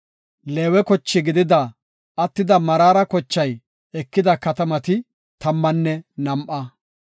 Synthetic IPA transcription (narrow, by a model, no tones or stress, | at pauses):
leːwɛkɔt͡ʃːɪɡɪd̪ɪd̪ɐ | ɐt̪ːɪd̪ɐmɐɾaːɾɐkɔt͡ʃːɐj | ɛkːɪd̪ɐkɐt̪ɐmɐt̪ɪ | t̪ɐmːɐnːɛnɐmʔɐ